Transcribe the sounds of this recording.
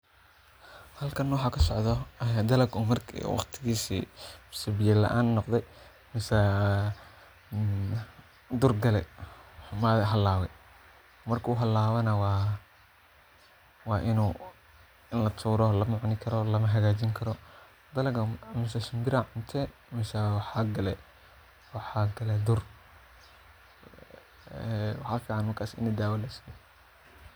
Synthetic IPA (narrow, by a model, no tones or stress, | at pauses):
hɐlkʰɐnːwɑħɑkʰɐsɔʕðɔd̪ɐlɐɡumɐrkʰwɑ̰χt̪ʰɪɣiːsḭːsɐbɪjɛlɐ̰ʔaːnːɔqd̪ɛj | mɪsɐ | d̪ʊrɡɐlɛ | maðɦɐlaːwɛj | mɐrkʰuːɦɐlaːβɐnɐwɑ | wɑːʔɪnuː | ɪnlɐt̪ʰuːɾɔlɐmʊʕnɪkʰɐɾɔlɐmɐɦɐɣaːd͡ʒiŋkʰɐɾɔ | d̪ɐlɐɡɐmɪsɐʃɪmbɪɾaʕʊnt̪ʰɛmɛsawɑħɑːɡɐlɛ | wɑħaɡɐlɛd̪ʊr | ɛwɑħaːfiːʕɑnmɐrkʰaːsɪnɐd̪aːwɐlɐsijɔ